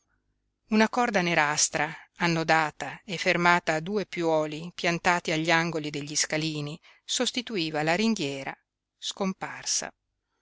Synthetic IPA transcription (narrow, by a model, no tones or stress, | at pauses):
unakɔrd̪aneɾast̪ɾaːnːod̪aːt̪aefːermaːt̪aːd̪uːepjɔːlipjant̪aːt̪iaʎːaŋɡolid̪eʎːiskaliːni | sost̪it̪uiːvalaɾiŋd̪jɛːɾa̰ | skomparsa̰